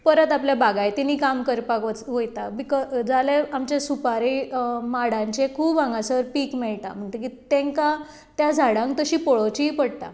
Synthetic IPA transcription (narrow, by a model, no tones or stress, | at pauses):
pəɾət̪apljabaɡajt̪iniːkamkəɾpakʋət͡sɦojt̪abikɔd͡zaleamt͡ɕjasupaɾemaɽãɲt͡ɕekʰuːpãŋɡasəɾpiːkmɛɭt̪a̰m̤əɳt̪əkit̪ẽŋka | t̪jad͡zʱaɽãŋk̚t̪əɕiːpɔɭot͡ɕiipəɽt̪a̰